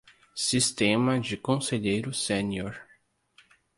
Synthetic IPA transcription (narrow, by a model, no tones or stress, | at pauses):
sist̪ẽmɐd͡ʒɪkõseʎejɾʊsẽnioɾ